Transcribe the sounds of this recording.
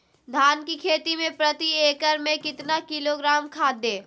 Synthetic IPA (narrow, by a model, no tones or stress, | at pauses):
d̪ʱaːnkikʰeːt̪imẽpɾɐt̪ieːkəɾmẽkɪt̪nakɪloɡɾaːmkʰaːd̪ːeː